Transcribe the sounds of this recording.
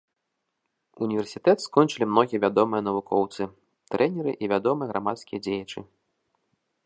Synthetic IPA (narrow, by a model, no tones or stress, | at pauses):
unʲivʲɛrsʲit̪ɛt̪skɔnt͡ʂɨlʲimnɔɣʲijɐvʲad̪ɔmɨjɐn̪ɐvukʰɔwt̪sɨ | t̪ɾʔɛnʲɛɾɨʔivʲad̪ɔmɨjɛɣɾʔamat̪skʲijɐd͡zʲejɐt͡ʂɨ̰